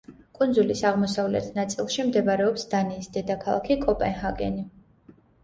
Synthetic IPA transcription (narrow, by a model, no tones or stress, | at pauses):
kʼund̪zulisaʁmɔsavlɛ̰t̪ʰnat̪sʼilˠʃimd̪ɛbaɾɛɔpsd̪aniːsd̪ɛd̪akʰalˠa̰kʰikʼɔpʼɛnhaɡɛ̰ni